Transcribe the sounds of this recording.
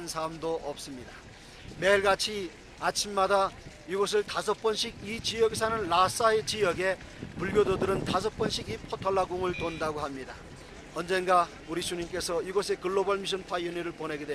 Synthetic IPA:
nsʰamdoʔʌp̚s͈ɯmɲida | me̞ɭɡat͡ɕʰi | at͡ɕʰimːadaiɡʌs̬ʰɯɭtas̬ʰʌp͈ʌnɕʰiɡ̚it͡ɕijʌɡes̬ʰanɯnlas͈aet͡ɕijʌɡe̞ | puɭɡjododɯɾɯntas̬ʰʌp͈ʌnɕʰiɡipʰʌtʰʌɭːaɡoŋɯɭtondaɡoɦamɲida | ʌnd͡ʑe̞nɡa | uɾisʰuɲimk͈e̞sʰʌiɡʌsʰe̞kɯɭːobʌɭmiɕ̬ʰʌnpʰaʌniɾɯɭpone̞ɡidwe

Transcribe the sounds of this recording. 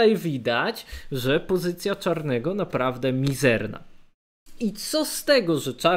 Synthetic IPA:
ajvʲid̪at͡ɕʐɛpɔzɘt̪sʲjat͡ʂaɾnɛɡɔnapɾavd̪ɛmʲizɛɾna̰ | it̪sɔst̪ɛɡɔʐɛt͡ʂa

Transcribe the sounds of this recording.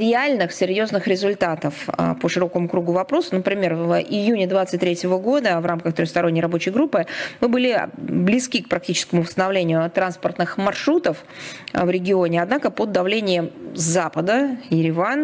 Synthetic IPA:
ɾʲɪalʲnɨxsʲɪrʲjo̞znɨxɾʲɪzʊlʲt̪at̪əfə̰pəʂɨɾo̞kəmʊkɾuɡʊvɐpɾo̞sʊnəpɾʲɪmʲe̞rvɪjunʲɪd̪vat̪sɨt̚ʲt̪ɾʲetʲɪvəɡo̞d̪əvramkəxt̪ɾʲoxst̪ɐɾo̞nʲːɪjɾɐbo̞t͡ɕɪjɡɾupːɨmɨbɨlʲɪblʲɪskʲik̚pɾɐk̚tʲit͡ɕɪ̥skəmʊvəst̪ənɐvlʲenʲɪjʊt̪ɾanspərt̪nɨxmɐrʂɾut̪əf | vɾʲɪɡʲɪo̞nʲɪad̪nakəpod̪ɐvlʲenʲɪjəmzapəd̪əjɪɾʲɪvan

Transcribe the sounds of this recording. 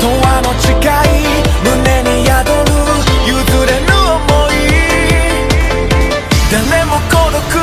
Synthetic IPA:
t̪owanot͡ɕiɡai | nɯneɲijad̪oɾɯjɯd̪ɯɾenɯomoi | d̪enemokoɾok

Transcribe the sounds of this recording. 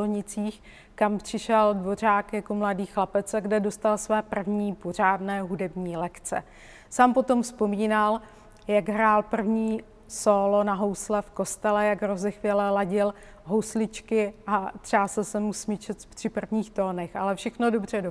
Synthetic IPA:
oɲɪt͡siːx | kampr̥ɪʃɛldvo̞r̝aːkjako̞mladiːxlapɛt͡sɛɡdɛdost̪alsvɛːpr̩vɲiːpor̝aːdnɛːɦudɛbɲiːlɛkt͡sɛ̰ | saːmpo̞t̪o̞mfspo̞miːnal | jaɡɦɾaːlpr̩vɲiː | soːlonaɦo̞wslɛfko̞st̪ɛlɛjaɡɾo̞zɛxvɪlɛlaɟɪl | ɦowslɪt͡ʃkɪʔat̪r̝̥aːsɛsɛmusmɪt͡ʃɛt̪pr̥ɪpr̩vɲiːxt̪oːnɛxa̰lɛfʃɛxnodo̞br̝ɛdo

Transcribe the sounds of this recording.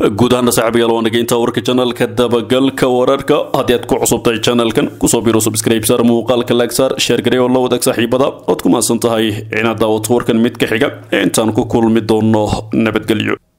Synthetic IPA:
ɡuːd̪ɐɦɐnːɐsɑħbɐjaːlwaːnːɐɡɛjɪnt̪ʰawɐrkʰɐt͡ʃɐnɐlkʰɐd̪ɐbɐɡɐlkʰɐwɐɾɐrkʰɐhɐd̪iːaːd̪kʰʊʕʊsʊb̚t̪ʰɐjt͡ʃɐnɐlkʰɐnkʰʊsɔːbiːɾɔsʊbɪskɾajpt̪ɐɾmuːqɑːlkʰɐlaɡsɐrʃɛrɡɐɾɛɔlɐwɐðɐɡsaːħiːbɐðɐɔːd̪kʰʊmaːsɐnt̪ʰɐɦɛjʕɪnaːd̪aːwɐt̪ʰɐwɐrkʰɐnmɪd̪kʰɐħɪɡɐɛːɪnt̪ʰaːnʊkʰʊkʰʊlmɪd̪ɔːnːɔnɐbɐd̪ɡɛlɪ̰jɔ̰

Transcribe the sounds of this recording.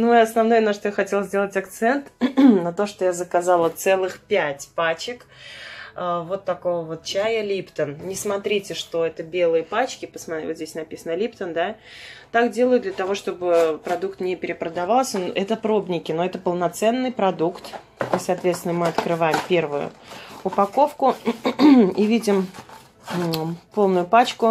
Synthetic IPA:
nuɪɐsnɐvno̞jənaʂt̪ojaxɐtʲe̞lˠzʲdʲe̞lˠətʲɐkt̪sɛnt̪nɐt̪o̞ʂt̪o̞jazəkazɑlˠət̪sɛlˠɨxpʲætʲpat͡ɕɪk | əvo̞t̪ːɐkovəvo̞t̪̚t͡ɕæjəlʲipt̪ənnʲɪsmɐt̪ɾʲitʲɪʂt̪o̞ɛt̪əbʲe̞lˠɨjəpat͡ɕkʲɪpəsmɐvozdʲesʲnɐpʲisənəlʲipt̪ənd̪at̪akdʲe̞lˠəjʊd̪d̪lʲət̪ɐvo̞ʂt̪o̞bɨpɾɐd̪ukt̪nʲɪpʲɪɾʲɪpɾəd̪ɐvɑlˠsʲənʔɛt̪əpɾo̞bnʲɪkʲɪnoɛt̪əpəlˠnɐt̪sɛnːɨjpɾɐd̪ukt̪ | isɐːt̪vʲet̪st̪ʲɪnəmɨɐt̪kɾɨvajɪmpʲe̞rvʊjʊ̰ʊpɐko̞fkʊ | ivʲidʲɪm | po̞lˠnʊjʊpat͡ɕkʊ

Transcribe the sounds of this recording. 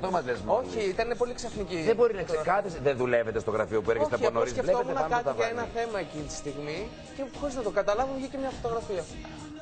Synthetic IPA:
omɐt̪lezmo̞çiit̪ɐnepo̞liksɐfniciðebo̞ɾinɐksekɐθisðeðulevet̪est̪oɣɾɐfio̞pueɾket̪eɐonoɾiscetonɐkɐt̪ɐʝɐenɐθe̞mɐecinit̪i̥st̪iɣmi | cexoɾiznɐt̪o̞ɡɐt̪ɐlɐvoçicemɲɐfo̞t̪o̞ɣɾɐfiɐ

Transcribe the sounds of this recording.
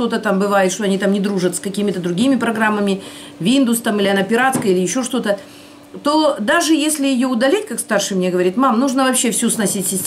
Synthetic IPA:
t̪o̞t̪ət̪ambɨvajɪt̪ʂt̪oɐnʲit̪amnʲɪd̪ɾuʐət̪skɐkʲimʲɪt̪əd̪ɾʊɡʲimʲɪpɾɐɡɾamːəmʲɪ | vʲind̪ʊst̪amɨilʲɪɐnɐpʲɪɾat̪skəilʲɪjɪɕːoʂt̪o̞t̪ə | t̪o̞d̪aʐɨjesʲlʲɪjɪjo̞ʊd̪ɐlʲetʲkakst̪arʂɨjmnʲe̞ɡəvɐɾʲit̪mamnuʐnəvɐpɕːe̞fsʲusnɐsʲitʲsʲɪsʲtʲ

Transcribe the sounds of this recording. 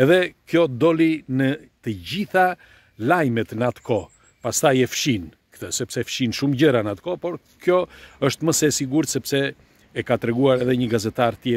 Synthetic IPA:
ɛðɛkjɔd̪ɔlinət̪əɟiθa | lajmɛt̪nəat̪kʰɔ | past̪ajɛfʃin | kə̥t̪əsɛpsɛfʃinʃumɟəɾanat̪kɔpɔɾ | kjɔəʃt̪məsɛsiɡuɾt̪sɛpsɛː | kat̪ɾɛɡuaɾɛðɛɲəɡazɛt̪aɾt̪jɛ

